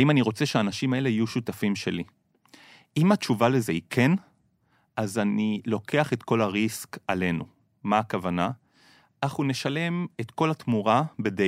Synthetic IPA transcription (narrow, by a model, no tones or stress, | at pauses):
aimaniʁo̞t͡se̞ʃeaːnaʃimae̞le̞ijuʃutafimʃe̞li | imat͡ʃuvale̞zeikʰe̞n | ʔazanilo̞kʰe̞aχet̪ko̞laʁiskale̞nṵ | maːkavana | ʔaχhuneʃale̞met̪ko̞lat̪muʁabe̞de